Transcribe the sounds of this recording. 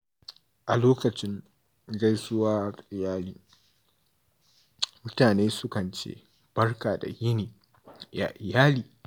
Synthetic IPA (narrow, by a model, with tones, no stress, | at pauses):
ʔa˨loː˦kɐ˨t͡ʃɪ˦ŋ | ɡɐ˦jsʊ˦waː˦˨ʔɪ˨jaː˦liː˦ | mʊ˦taː˨neː˦sʊ˦kɐ˨nt͡ʃḛː˦ | b̥ɐ˦rkaː˨da̰˨jɪ˦niː˨ | ja̰˨ʔɪ˨jaː˦liː˦